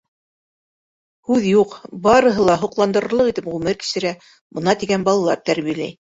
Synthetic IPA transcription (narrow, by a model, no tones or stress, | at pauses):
hʉðjuqbɑɾɤ̆ɦɤlˠɑɦŏqlˠɑnd̪ɤ̆ɾɤ̆ɾlˠɤqit̪ɘpʁʉmɘɾki̥ʃɘ̆ɾæ | bɤ̆nɑt̪iɡænbɑlˠɑlˠɑ̰ɾt̪æɾβijælæ̰j